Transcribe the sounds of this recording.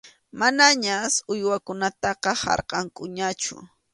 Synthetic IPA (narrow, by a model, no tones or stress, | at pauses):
manaɲasʊjwakʊnat̪ɑqɑhɑ̰ɾqɑŋkʼʊɲat͡ʃʊ̰